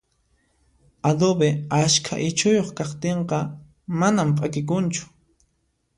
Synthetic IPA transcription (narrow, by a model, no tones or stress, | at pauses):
ad̪obeaʃkʰa̰ʔɪt͡ʃʊjoχkaχt̪eɴqɑ | manampʼakɪk̬ʊnt͡ʃʊ̥